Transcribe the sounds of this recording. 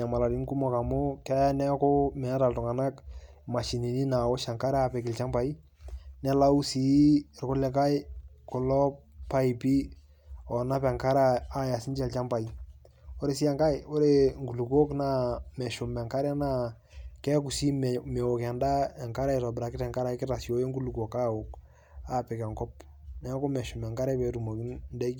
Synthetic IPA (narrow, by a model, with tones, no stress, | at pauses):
a˨ma˨la˨ɾi˦ŋku˦mɔ˨ka˨mʊ˦kɛ˦nɛ˦kʊ˦mɛ˨na˦ta˨ltʊ˨ŋa˨na˦k | ma˨ʃi˨ni˨ni˦na˨o˦ʃa˨ŋka˦ɾapɛ˨kɪ˨lt͡ʃa˦mpa˨i˦ | nɛ˦la˦u˦si˨ɪ˨ɾkʊ˦lɛ˦ka˦j | kʊ˨lɔ˦ppa˦i˨pi˦ | ɔ˨na˦pɛ˨ŋka˦ɾaa˦ja˨sɪ˦ɲt͡ʃɛ˨lt͡ʃa˦mpa˨i˨ | o˦ɾe˦si˦ɛ˦ŋka˦jo˦ɾe˦ŋɡu˨lu˨ko˦knamɛ˨ʃo˨mɛ˨ŋka˦ɾɛ˦na˦ | kɛ˦ku˨si˦mɛ˨o˨kɛ˨nda˦ɛ˨ŋka˦ɾa˦ɪ˨tɔ˨bɾa˨kɪ˦tɛ˨ŋka˦ɾa˨ɪ˦kɪ˦ta˨sjo˨˦je˦ŋɡu˦lu˨ko˨ka˦o˨k | a˨pɪ˨kɛ˨ŋkɔ˦p̚ | nɛ˨˦ko˦mɛ˨ʃo˨mɛ˨ŋka˦ɾɛ˦pɛ˨tu˨mo˨ki˦nndɛ˦